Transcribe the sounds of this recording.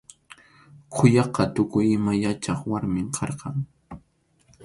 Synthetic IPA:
kʰʊjɑqɑt̪ʊkʊjɪmajat͡ʃɑχwaɾmɪmkʰɑɾqɑŋ

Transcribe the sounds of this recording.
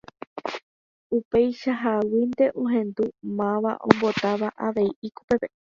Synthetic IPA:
upe̞jʃaɦawind̪e̞ʔõɦẽ̞nd̪umãʋa̰ʔõmbo̞t̪aʋaʔaʋe̞iikopepe

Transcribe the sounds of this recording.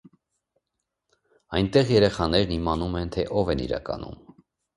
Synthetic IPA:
ɑjnt̪ɛʁjɛɾɛχɑn̪ɛɾnimɑnumɛnt̪ʰɛʔɔvɛnḭɾɑ̰kɑ̰nṵm

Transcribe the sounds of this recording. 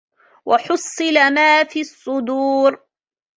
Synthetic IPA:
wʔɑħʊsˤːɨlamaːfiːɑsˤːʊd̪uːɾ

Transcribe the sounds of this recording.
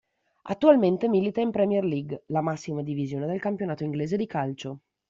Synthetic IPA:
a̰t̪ːualment̪emilit̪aimpɾɛmjerliɡlamasːimad̪ivizjoːned̪elkampjonaːt̪oiŋɡleːzed̪ikalt͡ʃo

